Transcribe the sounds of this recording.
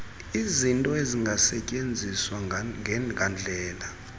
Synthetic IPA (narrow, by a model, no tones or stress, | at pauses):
izintʼɔeziŋɡʱasɛcʼend͡zʱiswaŋɡʱand͡ɮʱɛːla